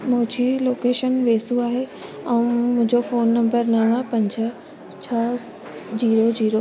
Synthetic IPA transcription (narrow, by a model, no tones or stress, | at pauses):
mʊ̃ɦd͡ʑʱiloːkeːʃənʋeːsuaːɦe | ɛ̃ũmʊ̃ɦɪ̃ɲd͡ʑofoːnːɐ̃mbəɾnɐɽ̃əpɐ̃ɲd͡ʑʱə̆ | t͡ɕʰɐ | d͡ʑiːɾod͡ʑiːɾo